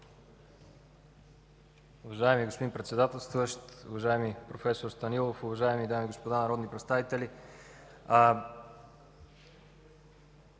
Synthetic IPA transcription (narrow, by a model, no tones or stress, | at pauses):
ʊvɐʒaɛmiɡospod̪impɾɛt̪sɛd̪at̪ɛlˠst̪vuəʃt̪ʊ̰vɐʒaɛmipɾofɛsoɾst̪ɐnilˠofʊvɐʒaɛmid̪amiɡospod̪anɐɾɔd̪nipɾɛt̪st̪avit̪ɛlʲi